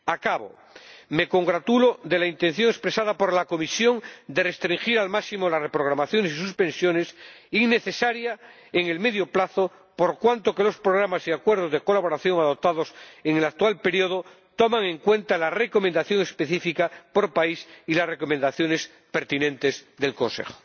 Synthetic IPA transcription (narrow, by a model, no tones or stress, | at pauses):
akaβo̰ | me̞ko̞ŋɡɾat̪uloðe̞laint̪en̟θjo̞ŋespɾe̞saðapoɾlako̞misjo̞ŋd̪e̞re̞st̪ɾiŋxiɾalmaksimolasrepɾoɣ̞ɾamaθjo̞nesis̬uspẽ̞nsjonesiŋne̞θe̞saɾja | eŋe̞lme̞ðjoplaθo | poɾkwant̪o̞ke̞lo̞spɾoɣ̞ɾamasiakwe̞ɾð̞o̞zðeko̞laβoɾaθjo̞ŋaðo̞p̚t̪aðo̞seŋelak̚t̪ualpe̞ɾioð̞o | t̪omaŋẽ̞ŋkwẽ̞nt̪alare̞ko̞mẽnd̪aθjo̞ŋe̞spe̞θifikapo̞ɾpaisilasre̞ko̞mẽnd̪aθjo̞ne̞s | pe̞ɾt̪inẽnt̪e̞zðe̞lkõ̞nsḛxo̥